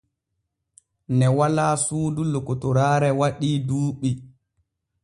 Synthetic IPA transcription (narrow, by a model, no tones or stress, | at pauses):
nɛwalaːsuːdulokɔtɔɾaːɾɛwaɗiːduːɓi